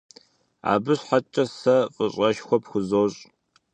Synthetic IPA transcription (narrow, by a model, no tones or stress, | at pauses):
a̰ːbɨɕħat͡ʃʼɐsɐqʼəɕʼɐʃxʷɔpxʷʊzoːɕʼ